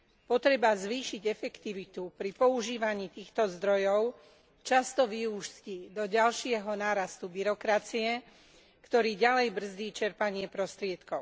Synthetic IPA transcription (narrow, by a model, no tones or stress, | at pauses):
pɔt̪ɾɛbazʋiːʃiɟɛfɛkt̪iʋit̪upɾipɔuʒiːʋaɲiːt̪iːxt̪ɔzd̪ɾɔjɔʊ | t͡ʃast̪ɔʋiuʃscid̪ɔɟalʃɪɛɦɔnaːɾast̪ubiɾɔkɾat͡siɛ | kt̪ɔɾiːɟalɛjbr̩zd̪iːt͡ʃɛɾpaɲɪɛpɾɔst̪ɾɪɛt̪kɔʊ